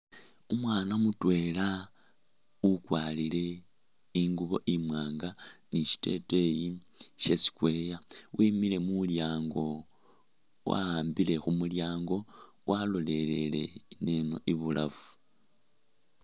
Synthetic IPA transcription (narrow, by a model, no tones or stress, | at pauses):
umwaːnamutwe̞la | ukwaːlile̞ | iŋɡuβo̞̰ʔimwaːŋɡaniʃi̥te̞̰te̞jiʃe̞si̥kwe̞ːjawʔimile̞muljaːŋɡo̞ | wa̰aːmbile̞xumuljaːŋɡo̞ | walo̞le̞le̞le̞̰ne̞no̞̰ʔiβulʔa̰vu̥